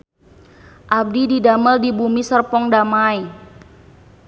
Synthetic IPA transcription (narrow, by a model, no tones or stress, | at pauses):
ʔab̚dididaməldibumisərpɔŋdamai